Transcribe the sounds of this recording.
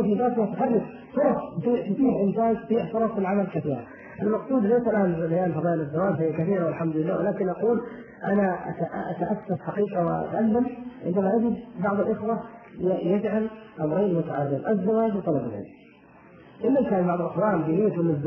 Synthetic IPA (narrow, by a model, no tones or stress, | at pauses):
fibaːt̪at̪ħɑrˤːɪk | sʊɾˤɑft̪ˤiːt̪ʊt̪iːhʔɪnsaːnt̪t̪iːʕfʊɾˤɑfɪlʕamalkaθiːɾa̰ | ʔɪlmɑqsˤuːd̪lajsalʔaːnbajaːnfɑðˤɑːʔɪlɪzːawaːd͡ʒzajːakaθiːɾawɪlħamd̪ʊlɪlːaːwɪlaːkɪnʔɑquːl | ʔanaʔat̪ʔʔa̰t̪aʔaθːafħaqiːqɑwɪ̰ʔa̰t̪ʔalːamʕɪnd̪amaʔad͡ʒɪd̪bɑʕðˤɪlʔɪxwajad͡ʒʕalʔamɾeːmʊt̪aʕarːɪnʔazːawaːd͡ʒwt̪ˤɑlɑbɪlʕɪ̰ | ʔɪlːamkaːnbɑʕðˤɪlʔaxwaːʔld̪iːnɪjːabɪnːɪzb